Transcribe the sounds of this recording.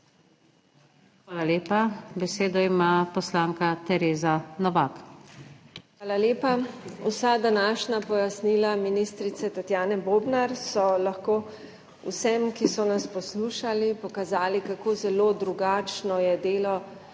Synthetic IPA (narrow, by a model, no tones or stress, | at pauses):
xʋaːlaleːpabɛseːd̪ɔimaːpɔslaːŋkat̪ɛɾeːzanɔʋak | ʋaːlaleːpausad̪anaːʃnapɔjasniːlaminist̪ɾit̪sɛt̪at̪jaːnɛboːbnaɾsɔlaxkoː | ṵsɛmkisɔnaspɔsluːʃalipɔkazaːlikakoːzɛlod̪ɾuɡaːt͡ʃnɔjɛd̪eːlɔ